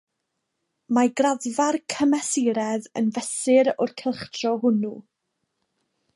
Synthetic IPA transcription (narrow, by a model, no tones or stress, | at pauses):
maɡraðvarkʰəmɛsɪɾɛðə̰nvɛsɪɾʊrkʰɛlˠχtrɔɦʊnu